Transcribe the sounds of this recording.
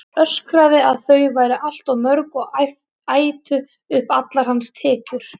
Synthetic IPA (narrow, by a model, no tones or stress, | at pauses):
œskɾaðɪaðθœɥvaːjɾaʔal̥t̪awmœɾkɔɣ | aːjt̪ʏ | ʏhpat̪laɾ̥hanst̪ʰɛːcʏɾ̥